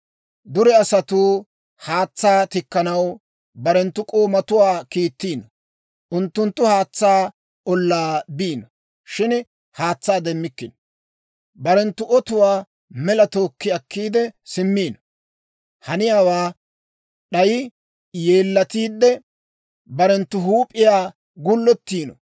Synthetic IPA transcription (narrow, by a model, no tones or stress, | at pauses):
d̪ʊɾɛɐsɐt̪uː | haːt͡sːaːt̪ɪkːɐnɐw | bɐɾɛnt̪ːʊkʼoːmɐt̪ʊwaːkiːt̪ːiːnɔ | ʔʊnt̪ːʊnt̪ːʊhaːt͡sːaː | ɔlːaːbiːnɔ | ʃɪn | haːt͡sːaːd̪ɛmːɪkːɪn | bɐɾɛnt̪ːʊʔɔt̪ʊwaː | mɛlɐt̪o̞ːkːɪɐkːiːd̪ɛsɪmːiːnɔ | hɐnɪjaːwaː | ɗɐjɪ | jeːlːɐt̪iːd̪ːɛ | bɐɾɛnt̪ːʊɦuːpʼɪjaː | ɡʊlːɔt̪ːiːnɔ